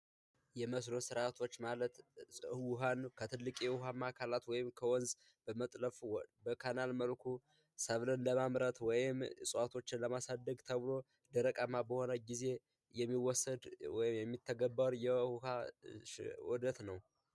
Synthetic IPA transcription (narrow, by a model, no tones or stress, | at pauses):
jɛməs̬lo̞sɨɾat̪ʰo̞t͡ʃːmalət̪wɦankʰət̪ʰɨlːɨkʼiwʊɦamːakʰalat̪wɔjɪmkʰəwɔnz | bəmət̪ʼləfbəkʰanalməlkʰu | səβlɨnləmamɾət̪wɔjɪmsʼwat̪ʰo̞t͡ʃːɪnləmasad̪ːəɡt̪ʰəβɨlo̞ | d̪əɾəkʼamabəho̞nəɡize̞ | jɛmːiwɔsːəd̪wjɪjɛmːit̪ʰːəɡəbːəɾjɛhuhaʃwɔd̪ət̪nəw